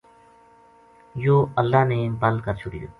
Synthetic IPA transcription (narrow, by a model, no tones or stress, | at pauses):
joːəlːaːneːbəlkəɾt͡ʃʰʊɽḭo̰